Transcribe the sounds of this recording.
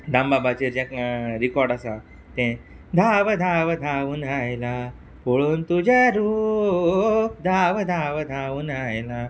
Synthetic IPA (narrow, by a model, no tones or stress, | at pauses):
d̪ãmbabat͡ɕiɾd͡ʑãkɾikɔɾɖasa | t̪ẽ | d̪ʱaʋəd̪ʱaʋəd̪ʱaʋunajla | poɭuːnt̪ud͡ʑaɾu | p̚d̪ʱaʋd̪ʱaʋəd̪ʱaʋunajla